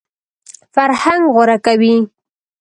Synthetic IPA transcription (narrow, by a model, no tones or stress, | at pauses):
faɾhaŋɡɣʊɾakawi